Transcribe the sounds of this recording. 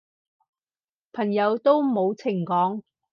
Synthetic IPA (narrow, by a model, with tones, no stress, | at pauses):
pʰɐ˨˩ŋjɐ˨˧wt̪o˥wmo˨˧wt͡sʰɪ˨˩ŋkɔː˨˥ŋ